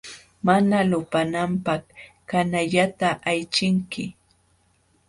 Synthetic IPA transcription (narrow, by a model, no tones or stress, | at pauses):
manalʊpanampaχ | kanaʎat̪aʔajt͡ʃɪŋkɪ